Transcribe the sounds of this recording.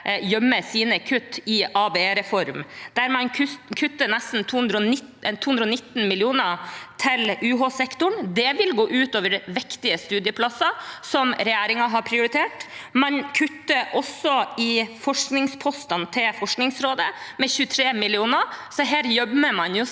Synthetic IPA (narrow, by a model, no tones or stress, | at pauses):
jœmːəsiːnəkʰʉt̪ːɪʔɑːbeeːɾɛfɔɾmd̪̥æɾmɑnkʰʉkʰʉt̪ːənɛst̪n̩t̪ʰuːʉnd̪ɾəɔnɪtt̪ʰːuːʉnd̪ɾəɔnɪt̪ːn̩mɪlɪuːnət̪ʰɪlʉːɦoːsɛkt̪ʊɳd̪ɛʋɪlɡoːʔʉːt̪oːʋəɾʋɪkt̪ɪəst̪ʉːd̪ɪəpʰlɑsɑsɔmɾɛjæːɾɪŋɑɦɑɾpʰɾɪʊɾɪt̪ʰeːʈmɑnkʰʉt̪ːəʔɔsɔɪfɔʂknɪŋspʰɔst̪ɑnt̪ʰɪlfɔʂknɪŋsɾoːd̪əmɛçʉːt̪ʰɾeːmɪlɪuːnəsɔɦæːɾjɔbəməmɑnjʊ